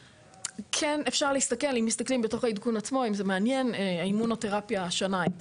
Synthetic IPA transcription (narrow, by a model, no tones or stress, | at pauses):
kʰenefʃaʁleist̪ake̞limːist̪aklimbet̪o̞χaid̪kunat͡smo̞imzemeanje̞neaimunot̪e̞ʁapjaʃona